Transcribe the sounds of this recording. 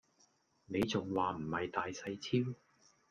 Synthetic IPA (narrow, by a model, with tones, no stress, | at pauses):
ne˨˧jt͡sʊ˨ŋwaː˨m̩˨˩mhɐ˨jt̪aː˨jsɐ˧jt͡sʰiː˥w